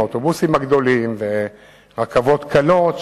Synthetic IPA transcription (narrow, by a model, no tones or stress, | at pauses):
ot̪obusimaɡd̪o̞limve | ʁakavo̞t̪kalot̪